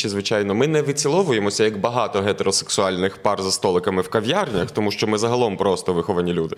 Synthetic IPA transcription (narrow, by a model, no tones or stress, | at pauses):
t͡ʃɪzʋɪt͡ʃajnɔmɪnɛʋɪt͡sʲilˠɔʋʊjemɔsʲɐjɐkbɐɦɑt̪ɔɦɛt̪eɾɔseksʊɑlʲnɪxpɑrzɐst̪ɔlˠɪkɐmɪwkɐʋʲjarnʲɐxt̪ɔmuʃt͡ʃɔmɪzɐɦɐlˠɔmpɾɔst̪ɔʋɪxɔʋɐnʲilʲud̪ɪ